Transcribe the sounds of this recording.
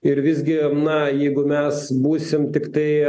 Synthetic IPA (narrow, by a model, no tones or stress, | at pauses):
ɪɾʋʲɪzʲɡʲɪnɐjɛɪɡʊmʲɛsbuːsʲɪmt̪ʲɪkt̪ɐɪ